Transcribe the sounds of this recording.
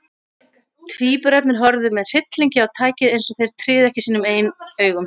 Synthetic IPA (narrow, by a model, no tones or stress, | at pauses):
t̪ʰviːpʏɾɛpnɪɾ̥ɦɔɾðʏmɛðr̥ɪt̪liɲcɪawt̪ʰaːjcɪðejnsɔθejɾ̥t̪ʰɾɪːðɛhcɪsiːnʏmeːjnœːɥɣʏm